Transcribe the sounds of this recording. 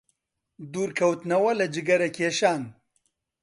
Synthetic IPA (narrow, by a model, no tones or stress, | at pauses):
d̪uːɾkʰɐwt̪nɐwɐlɐd͡ʒɨɡɐɾɐkʰeːʃaːn